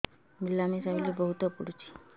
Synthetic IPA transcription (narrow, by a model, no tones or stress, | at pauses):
milːanisaɦilibəɦut̪əpuɽt͡ɕi̥ː